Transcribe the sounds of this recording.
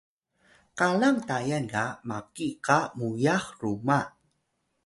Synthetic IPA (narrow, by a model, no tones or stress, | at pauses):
kalaŋtajankamakikamujaxruma